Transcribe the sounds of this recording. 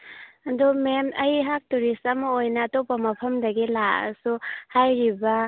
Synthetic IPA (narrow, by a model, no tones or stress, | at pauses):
ɐdumemɐjɦak̚tuɾisamɐojnɐːtopːɐmɐpʰɐmdɐɡilaɐ̰suhajɾibɐ